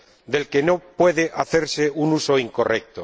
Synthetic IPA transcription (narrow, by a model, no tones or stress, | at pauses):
d̪e̞lke̞nopwe̞ðeʔaθe̞ɾse̞unuso̞iŋko̞rek̚t̪o